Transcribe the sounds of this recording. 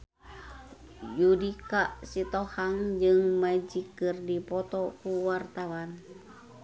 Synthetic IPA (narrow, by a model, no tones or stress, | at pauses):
judikaʔsit̪ohaŋd͡ʒɨŋmad͡ʒikɨrdipɔt̪ɔkuwart̪awan